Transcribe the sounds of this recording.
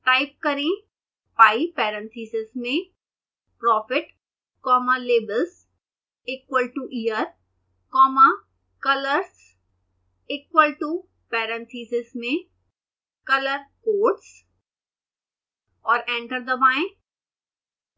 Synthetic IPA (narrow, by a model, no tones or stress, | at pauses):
ʈaːɪp̚kɐɾẽ | paːipɛːɾə̃nt̪ʰiːsɪzmẽ | pɾɔːfɪʈ | kɔːmaleːbəls | eːkwəlʈuʔiːjəɾ | kɔːma | kɐləɾs | ɪːkwəlʈu | pɛːɾə̃nt̪ʰiːsɪzmẽ | kɐləɾkoːʈs | ɔːɾɛ̃ːɳʈəɾd̪ɐbaːẽ